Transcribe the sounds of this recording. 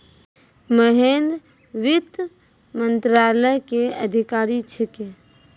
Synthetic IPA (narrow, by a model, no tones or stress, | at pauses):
məɦend̪ | ʋɪt̪ | mə̃nt̪ɾaːləjkeəd̪ʱikaːɾit͡ʃʰeke